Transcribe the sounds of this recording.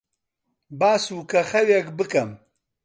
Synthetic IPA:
baːsukɐxɐwekbɨkɐm

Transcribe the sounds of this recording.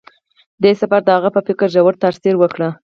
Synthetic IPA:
d̪esafaɾd̪əhaɣapəfɪkəɾʒawəɾt̪aɾsiɾwəkɽə

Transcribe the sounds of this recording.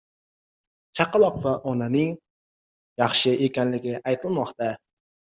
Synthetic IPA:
t͡ʃʰɑqɑlˠɒqvaʔɒnanɪŋ | jɑχʃɪʔekʲanlɪɡʲɪʔajt̪ʰɪlmɒqt̪a

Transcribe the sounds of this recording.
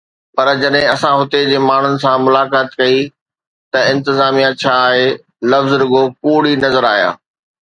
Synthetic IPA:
pɐɾd͡ʑɐɗɦɪ̃ɐsãɦʊt̪ed͡ʑeːmaːɳ̤ʊnɪ̆sãmʊlaːkaːt̪kɐi | t̪ɐɪ̃nt̪ɪzaːmijãt͡ɕʰaːɦe | lɐfzɾʊɡopuːɽinɐzəɾaːɦija̰ː

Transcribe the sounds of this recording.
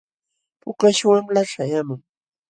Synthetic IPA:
pʊkaʃwamlaʂajamʊŋ

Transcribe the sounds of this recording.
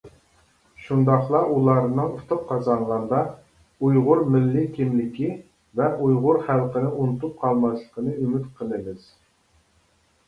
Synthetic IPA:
ʃund̪ɑχlˠɑʔulˠɑɾnɨŋut̪ʰʊp̚qʰɑzɑɴʁɑnd̪ɑ | ujʁʊɾmɪlːɪkʲʰimlɪkʲʰi | vɛʔujʁʊɾχælˠqənɨʔunɨt̪up̚qʰɑlˠmɑʃlˠəqʰənɨymyt̪qʰəlˠɨbɨz̥

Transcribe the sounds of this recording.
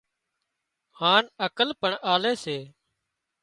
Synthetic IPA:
haːnəkəlpəɳʔaːleːseː

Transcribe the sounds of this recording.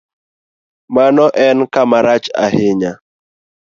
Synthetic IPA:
manɔʔɛnkamaɾat͡ʃa̰hɪɲa

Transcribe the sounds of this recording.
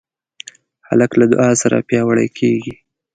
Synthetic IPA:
ha̰laklad̪ʊ̰ʔɑsaɾa̰pjɑwaɽa̰jkʰeɡi

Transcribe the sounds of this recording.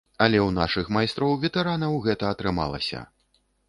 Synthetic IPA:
ɐlʲɛwna̰ʂɨxmajst̪ɾɔwvʲɛt̪ɛɾanɐwɣɛt̪ɐːt̪ɾɨma̰lˠɐ̰sʲɐ̰

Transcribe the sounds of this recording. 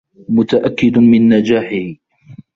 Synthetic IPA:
mʊt̪aʔakːɪd̪mɪnːad͡ʒaːħɪh

